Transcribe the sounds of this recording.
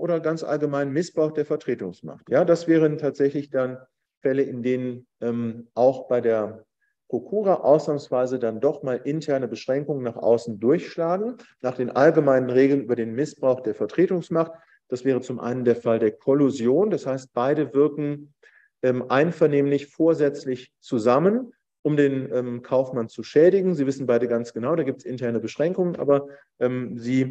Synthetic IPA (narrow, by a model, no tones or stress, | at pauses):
ʔoːdɐɡant͡sʔa̰lɡəmaɪnmɪsb̥ʁaʊxd̥eːɐfɛɐtʁ̥eːtʊŋsma̰χtjaːdasv̥ɛːʁ̞əntʰaːtz̥ɛçlɪçd̥an | fɛləʔɪndeːnən | ʔɛmʔaʊxb̥aɪdeːɐ | pʁ̥okʰuːʁaʔa̰ʊsnaːmsv̥aɪzədandɔχmaːlʔɪntʰɛɐnəbəʃʁ̥ɛŋkʊŋənːaːχʔa̰ʊsn̩dʊɐçʃlaːɡŋ̩naːχd̥eːnʔalɡəmaɪnənʁeːɡl̩nʔyːbɐdeːnmɪsb̥ʁ̥aʊxd̥eːɐfɛɐtʁ̥eːtʊŋsmaχt | d̥asv̥ɛːʁ̞ət͡sʊmʔa̰ɪnəndeːɐfaldeːɐkʰɔluzjoːnd̥ashaɪst̚b̥aɪdəvɪɐkŋ̩ | ʔɛːmʔaɪnfɛɐneːmlɪçfoːɐzɛt͡slɪçt͡suzamən | ʔʊmdeːnʔɛːmkʰaʊfmant͡suʃɛːdɪɡŋ̩ziːvɪsn̩baɪdəɡant͡sɡ̥ənaʊdaːɡiːp̚tsɪntʰɛɐnəbəʃʁ̥ɛŋkʊŋənʔa̰ːbɐ | ʔɛːmziː